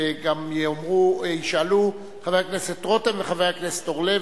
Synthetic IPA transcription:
ɡamomʁuiʃalu | χavejakneset̪ʁot̪aveχavejaknese̥t̪oʁle

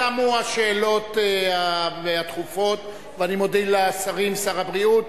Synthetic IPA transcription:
amuaʃe̞ːlo̞teaveat̪χufo̞t̪ | veanimodileasaʁimsaʁabʁiut̪

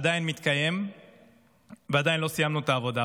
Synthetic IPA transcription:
ad̪ajinmit̪kaje̞m | vead̪ajinlosijamnut̪aːvo̞d̪a

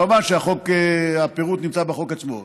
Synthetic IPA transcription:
omaʁʃeaχokeapeʁut̪nimt͡sabeχo̞kat͡smo̰

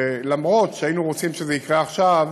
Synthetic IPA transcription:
lamʁo̞tʃeainuʁot͡simʃezeikʁeaχʃav

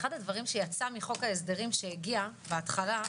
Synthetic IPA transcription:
χad̪advaʁimʃe̞jat͡samiχo̞kaesd̪e̞ʁimʃeeɡia | beat̪χala

